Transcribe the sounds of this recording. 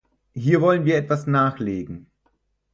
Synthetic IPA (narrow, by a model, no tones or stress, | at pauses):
hiːɐvɔlənviːɐɛtv̥asnaːxleːɡŋ̩